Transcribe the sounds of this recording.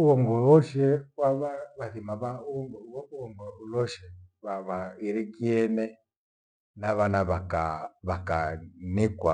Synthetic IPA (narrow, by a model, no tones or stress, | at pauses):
uɔŋɡɔlɔʃɛwaβaβaθimaβauɔŋɡɔuɔŋɡɔulɔʃɛβaβaiɾikiɛnɛ | naβanaβakaβakanikwa